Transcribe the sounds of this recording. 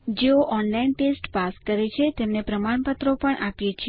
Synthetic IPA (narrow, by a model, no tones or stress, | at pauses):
d͡ʒeoʔɔnlainpesʈpaskəɾet͡ʃʰet̪emnepɾəmaɳpət̪ɾopəɳʔapjet͡ʃʰ